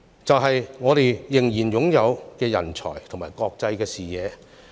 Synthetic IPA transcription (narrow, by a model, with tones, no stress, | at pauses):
t͡sɐ˨wɦɐ˨jŋɔː˨˧ɾe˨jjɪ˨˩ŋjiː˨˩njʊ˨˥ŋjɐ˨˧wkɛː˧jɐ̰˨˩nt͡ʃʰɔ̰ː˨˩jt̪ʰŋmaː˨˩jkɔː˧k̚t͡sɐ˧jkɛː˧siː˨˩jɛː˨˧